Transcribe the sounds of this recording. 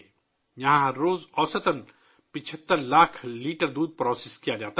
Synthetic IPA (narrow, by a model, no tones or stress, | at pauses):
jɐɦãɦɐɾːoːzɔːsət̪ən | pɪt͡ʃʰət̪ːəɾlaːkʰliːʈəɾd̪uːd̪̚pɾɔːsɪskijad͡ʒaːt̪a